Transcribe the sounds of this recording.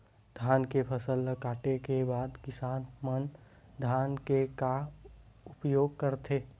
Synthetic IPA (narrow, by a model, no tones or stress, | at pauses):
d̪ʱaːnkepʰəsəlːəkaːʈekebaːd̪kɪsaːnmən | d̪ʱaːnkeka | ʊpjoːɡ̚kəɾt̪ʰeː